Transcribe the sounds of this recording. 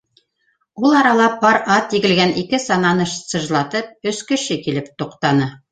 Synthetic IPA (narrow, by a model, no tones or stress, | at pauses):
ulˠɑɾɑlˠɑpɑɾɑt̪ːiɡɘ̆lɡænʔikɘsɑnɑnɤʃsɤ̆ʒlˠɑt̪ɤp̚ɵ̆skɘ̆ʃɘkilɘp̚t̪uqt̪ɑnɤ